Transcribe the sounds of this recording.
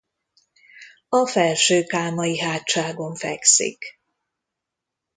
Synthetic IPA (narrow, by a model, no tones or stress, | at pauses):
ɒfɛlʃøːkaːmɒjiɦaːtt͡ʃːaːɡo̞ɱfɛ̰ksḭk